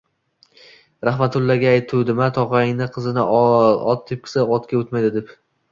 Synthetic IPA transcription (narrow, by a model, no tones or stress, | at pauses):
ɾaχmat̪ʰʊlːaɡʲaːjt̪ʰuwd̪ɪmat̪ʰɒʁɑŋnɪqʰɨzɪnɪɒt̪̚t̪ʰːɪp̚kʰʲɪ̥saɒt̪kʲaot̪majd̪ɪd̪ep